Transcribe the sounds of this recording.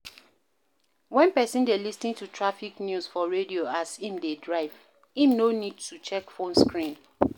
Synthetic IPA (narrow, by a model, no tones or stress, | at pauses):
wɛ̃npɛsĩndelisnĩŋtutʰɹafiknjusfɔɹedioasĩmdedɹaɪv | ĩmnonid̚tut͡ʃɛkfõnskɹĩn